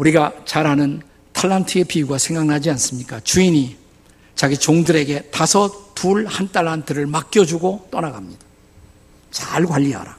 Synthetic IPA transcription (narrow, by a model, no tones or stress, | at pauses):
uɾiɡat͡ɕaɾɦanɯn | tʰaɭːantʰɯepʰiuɡasʰe̞ŋɡaŋnad͡ʑians͈ɯmɲik͈at͡ɕuiɲi | t͡ɕaɡit͡ɕoŋdɯɾe̞ɡe̞tasʰʌtuɭhantʰaɭːantʰɯɾɯɭmak͈jʌd͡ʑuɡot͈ʌnaɡamɲid̥ḁ | t͡ɕaɭɡwaʎːiɦa̰ɾa